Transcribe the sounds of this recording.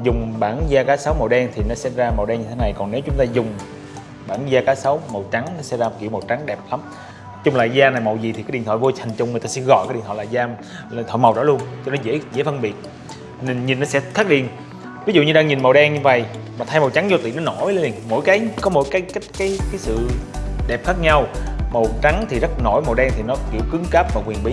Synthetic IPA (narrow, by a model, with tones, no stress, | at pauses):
zʊ˨˩ŋ͡mɓaː˧˩nzaː˧kaː˨˦sa˨˦wmə˨˩wɗɛ˧ŋt̪ʰi˨˩nɔ˨˦sɛ˧zaː˧mə˨˩wɗɛː˧ŋɲɨ˧t̪ʰe˨˦na˨˩jkɔ˨˩nne˨˦wt͡ɕʊ˨˦ŋ͡mt̪aː˧zʊ˨˩ŋ͡m | ɓaː˧˩nzaː˧kaː˨˦sə˨˦wmə˨˩wt͡ɕa˨˦ŋnɔ˨˦sɛ˧˦zaː˧˨˩kḭ˧˨əwmə˨˩wt͡ɕa˨˦ŋɗɛ˨˩p̚la˨˦m | t͡ɕʊ˧ŋ͡mlaː˨˩zaː˧na˨˩jmə˨˩wzi˨˩t̪ʰi˨˩a˨˦jɗi˨˩nt̪ʰːaː˧˨˩vo˧t̪ʰa˨˩jŋ̟t͡ɕʊ˧ŋ͡mm˨˩t̪ːsɛ˧˥ɣɔ̰˧˨jkaː˨˦ɗḭ˧˨nt̪ʰwa̰˧˨laː˨˩zaː˧˨ | t̪ʰwa̰ː˧˨jmə˨˩wzɔ̰˧˥˦lu˧ənt͡ɕɔ˧nɔ˨˦zḛ˧˥zḛ˧˥˦fə˧nɓi˨˩ət̚ | n˧˩nɲi˨˩nːɔ˨˦sɛ̰˧˥xʰaː˦˥k̚ɗḭ˧˩ən | vi˨˦zṵ˧˨ɲɨ˧ɗaː˧ŋɲi˨˩nmə˨˩wɗɛ˧ŋɲɨ˧və̰˧˨jmaː˨˩t̪ʰa˧jma˨˩wt͡ɕa˨˦ŋzɔ˧t̪ḭ˧˨nɔ˨˦no˧˥jle˧li˨˩ŋmo̰˧˥˨jkaː˨˦jkɔ˨˦mo̰˧˥jkaː˨˦jkt̚kaː˨˦jkaː˨˦jsɨ̰˧˨ɗɛ˨˩p̚xaː˦˥k̚ɲa˧wmə˨˩wt͡ɕa˨˦ŋt̪ʰi˨˩zə˦˥t̚no˧˩jm˨˩wɗɛ˧ŋt̪ʰi˨˩nɔ˨˦kḭ˧˩əwkɨ˨˦ŋkaː˦˥p̚vaː˨˩kwi˨˩ənɓi˨˦